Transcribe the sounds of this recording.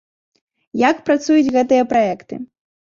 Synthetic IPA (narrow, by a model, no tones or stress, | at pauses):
jakpɾat̪sujut͡sʲɣɛt̪̬ɨjɐpɾajɛkt̪ɨ̰